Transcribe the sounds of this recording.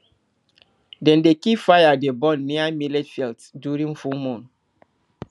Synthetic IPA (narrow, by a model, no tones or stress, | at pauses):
dɛ̃ndekifajadebɔ̃nːiamilɛtfiltdjuɹĩŋfulmɔ̃n